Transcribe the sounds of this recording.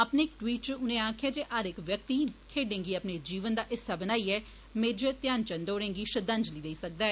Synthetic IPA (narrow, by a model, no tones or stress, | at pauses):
əpneːɪk̚ʈwiːʈ̚t͡ʃʊnẽːãːkʰjaːd͡ʒeːʔəɾɪkʋjək̚t̪iːkʰeːɖẽːŋɡiːəpneːd͡ʒiːʋənd̪aːʔɪsaːbənaːiːɛː | meːd͡ʒəɾt̪jaːnt͡ʃənd̪oːɽẽːŋɡiːʃəd̪ə̃nd͡ʒliːd̪eiːsək̚d̪aːɛː